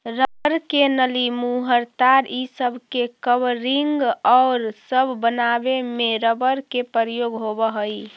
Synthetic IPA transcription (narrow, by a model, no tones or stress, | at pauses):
ɾəbəɾkenəlimuɦəɾt̪aɾisəbʱkekəʋəɾiŋɡɔːɾsəbʱbənabemẽɾəbəɾkepəɾəjoɡɦobəɦəi